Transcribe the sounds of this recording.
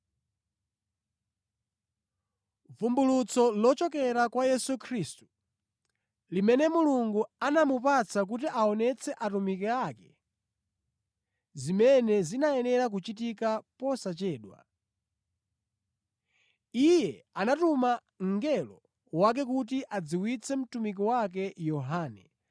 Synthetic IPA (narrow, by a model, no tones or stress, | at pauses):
vumbulut͡sɔlɔt͡ʃɔk̬ɛɾakwajɛsukʰɾistu̥ | limɛnɛmuluŋɡuanamupat͡sʰak̬ut̬iʔaɔnɛt͡sʰɛʔatumikɛakɛ | zimɛnɛzinajɛnɛɾak̬ut͡ʃitikapɔsat͡ʃɛːɗwa̰ | ijɛanatuma | ŋɡɛlɔ | wak̬ɛk̬ut̬iʔad͡ziwit͡sʰɛm̩tumik̬ɔwak̬ɛjɔɦaːnɛ